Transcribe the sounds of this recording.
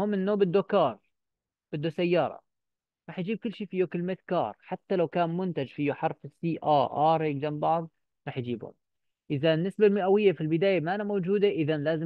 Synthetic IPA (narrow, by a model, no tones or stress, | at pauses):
hʊmɪnːoːbɪd̪ːokɑːɾˤ | b̥ɪd̪ːusajːɑːɾˤɑ̰ | ɾˤɑːħjd͡ʒiːb̚kʊlːʃiːfijokɪlmet̪kɑ̰ːɾˤħat̪ːalawkaːnmʊnt̪ad͡ʒfijʊħɑɾˤfɪsiːʔɑːʔɑːɾˤɪɡd͡ʒambɑʕðˤ | ɾˤɑːħjd͡ʒiːbhʊ̰m | ʔɪðaɪnːɪsbalmɪʔawɪjːafilbɪd̪aːjamaʔanamowd͡ʒuːd̪aʔɪðanlaːzɪ